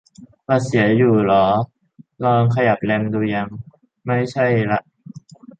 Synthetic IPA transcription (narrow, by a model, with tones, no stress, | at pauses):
paː˧˩si˩˦ɐjuː˨˩lɔː˩˦ | lɔː˧ŋkʰa˧ja˨˩p̚le˧mduː˧ja˧ŋ | ma˥˩jt͡ɕʰa˥˩jla˧˥ʔ